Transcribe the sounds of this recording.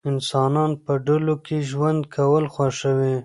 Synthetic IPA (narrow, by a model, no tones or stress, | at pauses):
ɪnsɑnɑnpəɖəlokʰeʒwand̪kʰawəlxwaʃəwe